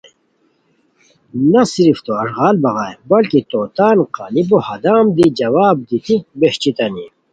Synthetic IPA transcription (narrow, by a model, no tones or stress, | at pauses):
nɐsiɾift̪oɐʂɣaːlbɐɣaːjbɐlkit̪oːt̪aːnqaːlibohɐd̪aːmd̪id͡ʑɐwaːb̚d̪it̪ik̚beɕt͡ɕit̪ɐni